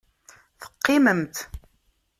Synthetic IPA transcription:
θə̥qːɪməmt̪

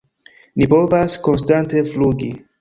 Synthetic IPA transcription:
nipo̞vasko̞ns̬tante̞fluɡi

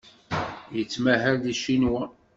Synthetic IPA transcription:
jət͡sːmæɦælðiʃinwæ

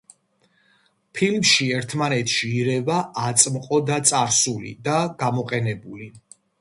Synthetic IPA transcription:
pʰilmʃiɛɾt̪ʰmanɛt̪ʰʃiːɾɛvaʔːt̪sʼmqʼɔd̪at̪sʼaɾsulḭd̪aɡ̥amɔqʼɛnɛbuli

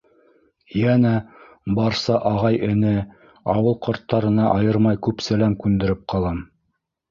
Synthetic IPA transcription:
jænæ | bɑɾsɑʔɑʁɑjɘ̆nɘ | ɑwɤlˠqŏɾt̪ːɑɾɤ̆nɑʔɑjɤɾmɑjkʉpsælæmkʉnd̪ɘ̆ɾɘp̚qɑlˠɑm

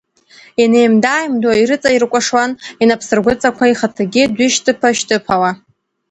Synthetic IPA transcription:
inejmdaːjmdaiɾɨt͡sʼairkʷʼaʂwaninapʰsɨrɡʷʊt͡sʼakʷʰaiχatʰaɡʲɪdʷɪʃtʰɨpʰaʃtʰʼɨpʰawa

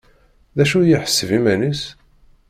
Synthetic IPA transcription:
ðæʃujiħə̥sːəvimænis

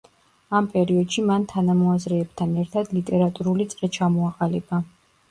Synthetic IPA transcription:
ampʼɛɾiɔd̪ʃimant̪ʰanamɔazɾɛːbt̪ʰanɛɾt̪ʰad̪lit̪ʼɛɾat̪ʼuɾulit̪sʼɾɛt͡ʃʰamɔaqʼalɛba

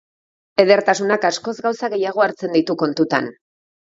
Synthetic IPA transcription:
e̞ðe̞ɾt̪asunakasko̞zɡawsaɣe̞jaɣ̞o̞aɾt͡se̞nd̪it̪uko̞nt̪ut̪a̰n

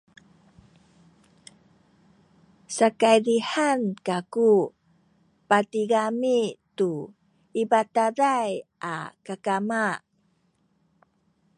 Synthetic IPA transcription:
sakajlihankaku | patiɡamitu | ibataɾajʔa̰kakamaʔ

